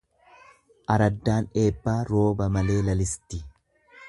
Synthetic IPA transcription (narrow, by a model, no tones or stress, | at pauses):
ʔɐɾɐd̪ːaːne̞ːbːaːɾo̞ːbɐmɐle̞ːlɐlɪst̪ːɪ